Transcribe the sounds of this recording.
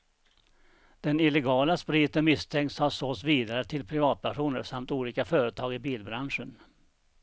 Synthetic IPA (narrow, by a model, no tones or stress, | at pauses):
d̪̥ɛnɪlɛɡɑːlaspɾiːt̪ənmɪst̪ʰɛŋt̪shaɾʂɔsviːd̪aɾət̪ʰɪlpʰɾɪvɑːt̪̚pʰæʂuːnəɾsamt̪uːliːkafœːɾət̪ʰɑːɡɪbiːlbɾanʂən